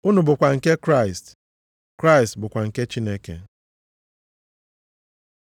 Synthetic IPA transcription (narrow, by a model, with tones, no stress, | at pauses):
ʊ˦nʊ˨bʊ˨kʷa˨ŋ̩˨ke˦kɾa˦˨ɪ˨st | kɾa˦ɪ˨stbʊ˨kʷa˨ŋ̩˨ke˦t͡ʃi˦ne˦kḛ˨